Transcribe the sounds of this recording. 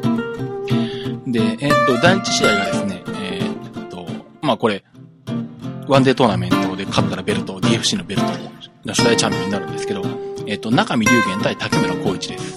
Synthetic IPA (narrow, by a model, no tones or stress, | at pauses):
d̪e̞ːt̪ːo̞d̪ãɲ̟t͡ɕi̥ɕijaiɡad̪e̞sɨne̞et̪ːo̞ | maːko̞ɾe̞ | βãnd̪e̞t̪o̞ːnamẽ̞nt̪o̞ːd̪e̞kat̪ːaɾabe̞ɾɯ̟t̪o̞d̪ʲiːeɸɯ̟ɕiːno̞be̞ɾɯ̟t̪onoɕod̪ait͡ɕãmpʲioɲinaɾɯ̟̃nd̪esɨ̥ke̞d̪o̞et̪ːo̞nakamʲiɾʲɨːɡẽ̞nt̪ait̪akemɯɾako̞ːit͡ɕid̪esɨ̥